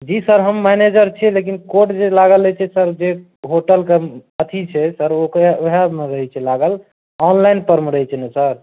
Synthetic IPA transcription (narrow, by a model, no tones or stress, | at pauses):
d͡ʒisəɾɦəmːɛned͡ʒəɾt͡ʃʰɛlekinkoʈd͡ʒelaɡəlːət͡ʃʰɛsəɾd͡ʒe | ɦoʈəlkeət̪ʰit͡ʃʰɛsəɾokɾaoɦameɾəɦɛt͡ʃʰɛlaɡəl | ɔnlajnpəɾmeɾəɦɛt͡ʃʰɛnesəɾ